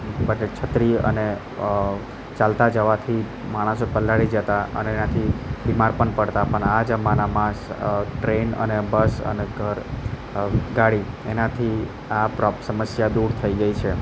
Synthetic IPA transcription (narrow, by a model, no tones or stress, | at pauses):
bəʈet͡ʃʰət̪ɾiə̰ne | t͡ʃalt̪ad͡ʒəʋat̪ʰi | maɽ̃əsopəlaɽid͡ʒət̪aʔə̰neːnat̪ʰibimaɾpəɳpəɽt̪apəɳad͡ʒəmanamãsʈɾenə̰nebəsə̰neɡʱəɾ | ɡaɽi | enat̪ʰi | apɾɔpsəməsjad̪uɾt̪ʰəiɡəit͡ʃʰe